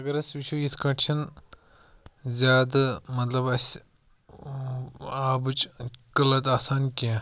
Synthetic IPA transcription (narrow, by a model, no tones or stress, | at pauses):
ɐɡɐɾɐsʲʋiʃojisʰkɐʈʃɐn | zʲjaːd̪ɐmɐt̪lɐbɐsʲ | aːbɨt͡ʃɡɐlɐt̪aːsaːnkia